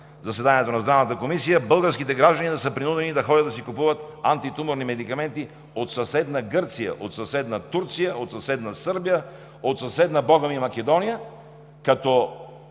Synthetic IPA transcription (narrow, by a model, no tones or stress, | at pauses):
zɐsɛd̪aniɛt̪onɐzd̪ɾavnət̪əkomisijəbɤlˠɡəɾskit̪ɛɡɾaʒd̪ɐnid̪ɐsəpɾinud̪ɛnid̪ɐxɔɾʲəd̪ɐsikupuvət̪ant̪it̪umoɾnimɛd̪ikɐmɛnt̪i | ot̪sɐsɛd̪nɐɡɤɾt̪sijə̰ʔot̪sɐsɛd̪nɐt̪uɾt̪sijəot̪sɐsɛd̪nɐsɤɾbijə | ot̪sɐsɛd̪nɐbɔɡəmimɐkɛd̪ɔnijə | kɐt̪ɔ